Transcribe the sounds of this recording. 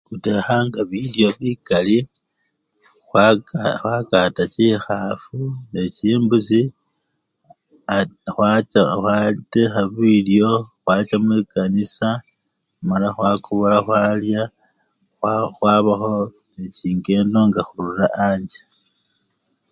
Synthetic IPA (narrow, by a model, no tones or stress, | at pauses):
xutexaŋɡaβiljo̞βikali | xwaxwakatacixafuneciːmbusi | axwat͡ʃaxwatexaβiljo̞xwaːt͡ʃamulikanisa | malaxwakʰuβolaxwaːlja | waxwaːβaxo̞neciːŋɡe̞no̞ŋɡaxululaʔaːɲd͡ʒḁ